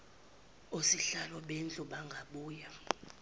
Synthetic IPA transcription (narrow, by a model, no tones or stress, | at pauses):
usiɬalɔɓend͡ɮʱʼuɓaŋɡʱaɓuːja